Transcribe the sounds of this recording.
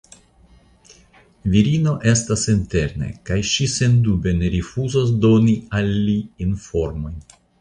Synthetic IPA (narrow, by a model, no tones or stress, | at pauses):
viɾino̞ʔe̞stasinte̞ɾne̞̰kajʃise̞ndube̞neɾifuzos̬do̞nialːiːnfo̞ɾmo̞jn